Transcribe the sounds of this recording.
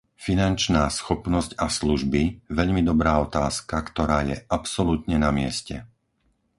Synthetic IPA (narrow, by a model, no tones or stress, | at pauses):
finant͡ʃnaːsxɔpnɔscasluʒbiʋɛʎmid̪ɔbɾaːɔt̪aːskakt̪ɔɾaːjɛ̰ʔapsɔlut̪ɲɛnamɪɛ̰scɛ̰